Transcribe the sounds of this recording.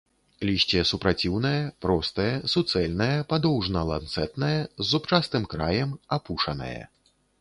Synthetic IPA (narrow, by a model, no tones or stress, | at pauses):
lʲiɕʲt͡sʲɛɛsupɾat͡sʲiwnɐjɐpɾɔst̪ɐjɐsut̪sɛlʲnɐjɐpad̪ɔwʐnɐlˠa̰nt̪sɛt̪nɐjɐzːupt͡ʂast̪ɨmkɾajɛmapuʂɐnɐ̰jɐ̰